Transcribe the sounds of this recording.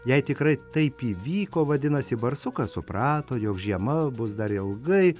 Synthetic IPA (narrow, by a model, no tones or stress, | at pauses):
jɛɪt̪ʲɪkɾɐɪt̪ɐɪpiːʋʲiːkoːʋɐd̪ʲɪnɐsʲɪbɐɾsʊkɐsʊpɾɑːt̪oːjoːkʒʲiɛmɐbʊsd̪ɐɾɪlˠɡɐɪ